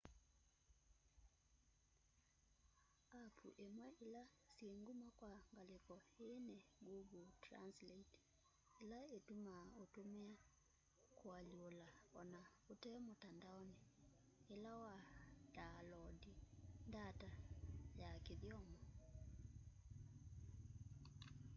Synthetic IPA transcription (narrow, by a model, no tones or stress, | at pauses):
apʰṵʔemwɛʔela | sjeŋɡumakwaŋɡalekɔenɛɡuɡotɾa̰nslɛt | elaetumaotomea | koalolaɔnaotɛmotandaɔneː | lawad̥alɔdindatajakeðjɔmɔ